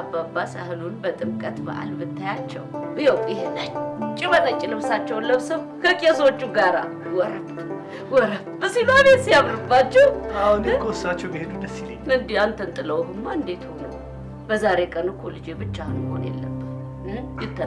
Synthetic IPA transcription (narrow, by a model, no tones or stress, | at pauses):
ababːasahɨlunbət̪ʼɨmkʼət̪bə̰ʔa̰lbɨt̪ːajat͡ʃːɛ̰wʔjɛwʼjɪhenat͡ʃːt͡ʃʼːɪβənət͡ʃʼɪlɨβsat͡ʃːɛwnləβsəw | kʰəkʼeswot͡ʃːuɡaɾa̰ | wɔɾəb | wɔɾəbbəsinaβesijaβɾɨbːat͡ʃːɛwahunkʰʼosat͡ʃːɛwbihed̪ud̪əsːileɨnd̪iant̪ʰənt̪ʼɨləwɦɨmːaɨnd̪et̪honəw | bəzaɾe̞kʼənɨkʰolɨd͡ʒebɨt͡ʃːahɨnmɨho̰njḛlːə̰bːəh | jɪt̪ːə